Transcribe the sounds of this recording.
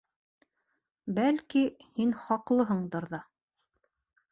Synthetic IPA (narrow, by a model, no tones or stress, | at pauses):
bælkihinχɑqlˠɤɦɤɴd̪ɤ̆ɾðɑ